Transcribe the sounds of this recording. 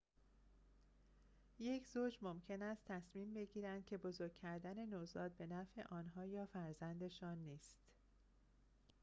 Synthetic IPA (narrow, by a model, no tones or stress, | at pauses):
je̞cʰzoːd͡ʒmomcʰe̞næst̪ʰːæsmiːmbe̞ɟiːɾænd̪̥̚cʰe̞bo̞zoɾɡ̚ʲcʰæɾd̪æne̞nozɒːd̪̚be̞næfe̞ʔɒːnɦɒːjɒːfæɾzænd̪e̞ʃɒːnːiːst̪